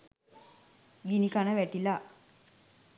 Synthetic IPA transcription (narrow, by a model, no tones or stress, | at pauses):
ɡinikanəʋæʈila